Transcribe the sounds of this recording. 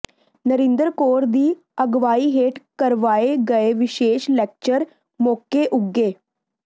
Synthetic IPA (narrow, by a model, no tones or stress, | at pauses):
nəɾend̪əɾkoɾd̪iː | əɡʋaiɦeʈkəɾʋaeɡəeʋiɕeɕlek̚t͡ɕəɾ | mokːeʔuɡːe